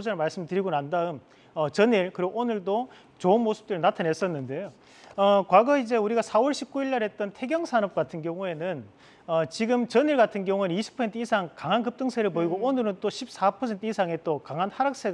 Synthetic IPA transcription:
od͡ʑaɾɭmaɭs͈ɯmtɯɾiɡonandaɯm | ʌt͡ɕʌɲiɭkɯɾiɡoonɯɭdo | t͡ɕoɯnmosʰɯ̥p̚t͈ɯɾinatʰanɦe̞s͈ʌnːɯnde̞jo | ʌkwaɡʌid͡ʑe̞uɾiɡasʰawʌɭɕʰip̚k͈uiɭːaɾɦet̚t͈ʌntʰe̞ɡjʌŋsʰanʌp̚k͈atʰɯnɡjʌŋue̞nɯn | ʌt͡ɕiɡɯmt͡ɕʌɲiɭɡatʰɯnɡjʌŋueniɕʰi̥pʰʌsʰentʰɯisʰaŋkaŋɦankɯp̚t͈ɯŋsʰeɾɯɭpoiɡoonɯɾɯnt͈oɕʰip̚s͈apʰʌsʰe̞ntʰɯisʰaŋe̞t͈okaŋɦanhaɾak̚s͈eɡ

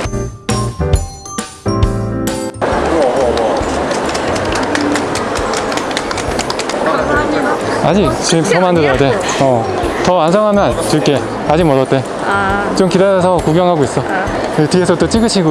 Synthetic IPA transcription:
aɲit͡ɕimtʌmandɯɾade | ʌ | tʌansʰʌŋɦamjʌnt͡ɕiɭk͈e̞ | ad͡ʑimʌɾʌɭt͈e̞ | t͡ɕomkidaɾesʰʌkuɡjʌŋɦaɡois͈ʌ | etiesʰʌt͈ot͡ɕ͈iɡɯɕʰiɡo

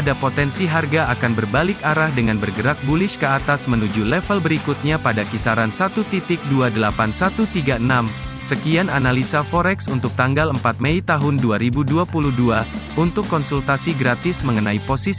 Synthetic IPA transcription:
adapot̪ɛnsiɦarɡaakanbərbalɪkaɾahdəŋanbərɡəɾak̚bulɪʃkəat̪asmənud͡ʒulɛfəlbəɾikut̪̚ɲapadakisaɾansat̪ut̪it̪ɪk̚duadəlapansat̪ut̪iɡaənamsəkiananalisafɔɾɛksunt̪ʊk̚t̪aŋɡaləmpat̪̚mɛit̪aɦʊnduaɾibuduapuluhduaunt̪ʊkːɔnsult̪asiɡɾat̪ɪsməŋənaiposis

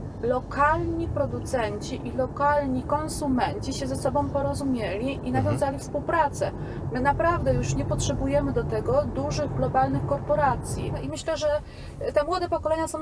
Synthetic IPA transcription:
lɔkalɲipɾɔd̪ut̪sɛɲt͡ɕiʔilɔkalɲikɔnsumɛɲt͡ɕiɕɛzɛsɔbɔ̃w̃pɔɾɔzumʲjɛlʲiʔinavʲjɔ̃w̃zalʲifspuwpɾat̪sɛ | mɘnapɾavd̪ɛjuʂɲɛpɔtʂɛbujɛmɘd̪ɔt̪ɛɡɔd̪uʐɘɣɡlɔbalnɘxkɔɾpɔɾat̪sʲjḭnɔimɘɕlɛʐɛ | t̪ɛmwɔd̪ɛpɔkɔlɛɲasɔ̃w̃

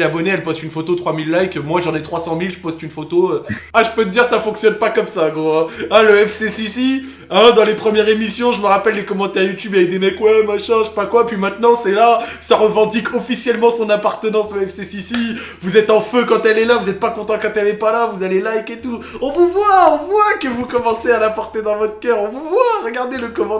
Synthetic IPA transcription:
abɔneɛlpɔst̪ynfot̪ot̪χwamilːajkmwaʒɑ̃nɛt̪χwasɑ̃milʒəpɔst̪ynfot̪oøaʒəpøt̪əd̪iʁsafɔ̃ksjɔnpakɔmsaɡʁoɛ̃ɛ̃ləɛfsesisi | ɛ̃d̪ɑ̃lepχəmjɛʁemisjɔ̃ʒəməʁapɛlːekɔmɑ̃t̪ɛʁjut̪ybavɛk̚d̪emɛkwɛmaʃɛ̃ʃe̥pakwapɥimɛ̃t̪nɑ̃sɛlasaʁəvɑ̃d̪ikʰɔfisjɛlmɑ̃sɔ̃napaʁt̪ənɑ̃soɛfsesisi | vuzɛt̪ɑ̃føkɑ̃t̪ɛlɛlavuzɛt̪̚pakɔ̃t̪ɑ̃kɑ̃t̪ɛlɛpalavuzalelajket̪u | ɔ̃vuvwaɔ̃vwakəvukɔmɑ̃sealapɔʁt̪ed̪ɑ̃vɔt̪χə̥kœʁɔ̃vuvwaʁəɡaʁd̪eləkɔmɑ̃

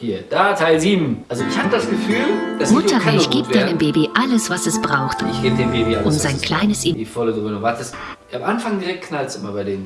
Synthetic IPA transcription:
hiːɐd̥aːtʰaɪlziːbm̩ʔalzoɪçhaːbədasɡ̥əfyːld̥asmʊtʰɐɦaɪçɡ̥iːp̚d̥aɪnəmbeːbiʔaləsvasɛsb̥ʁaʊxtɪçɡ̥eːbdeːmbeːbiʔaʔʊmzaɪnkʰl̥aɪnəsidifɔləduːmɪnʊvaɐtəst | amʔanfaŋdiːʁɛk̚t̚kʰnalt͡sɪmabaɪdeːn

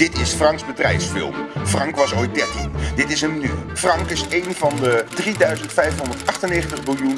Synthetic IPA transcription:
d̥ɪtɪsfrɑŋksbədrɛ̰jfsfɪ̰lˠmfrɑŋkʋɑsojt̚dɛɹtindɪtɪsənmny̰frɑŋkɪsejnvɑndədridœɥzəntfɛjfɦʊndəɹtɑχtəneːɣəntəχbɪlˠjun

